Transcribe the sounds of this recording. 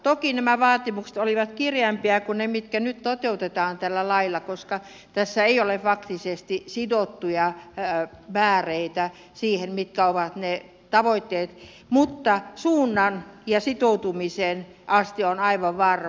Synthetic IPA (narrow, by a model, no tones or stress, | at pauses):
t̪okinæmæʋɑːt̪imuksĕ̥t̪oliʋɑt̪kirjɑmpiækunnemit̪kænyt̪t̪ot̪eut̪et̪ɑːnt̪ælːælɑilːˑɑkoskɑ | t̪æsːæeiolefɑkt̪isest̪isidot̪ːujɑ | mæːreit̪æ | siːhemmit̪kæoʋɑt̪ne | t̪ɑʋoit̪ːeːt̪ | mut̪ːɑsuːnːɑnjɑsit̪out̪umisen | ʔɑst̪ionɑiʋɑʋʋɑr